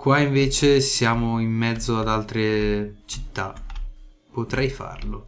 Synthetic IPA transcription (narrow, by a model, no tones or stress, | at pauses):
kwaiɱveːt͡ʃesjaːmoimːɛd̪zːoad̪alt̪ɾet͡ʃi̥t̪ːa | pot̪ɾɛjfa̰rlo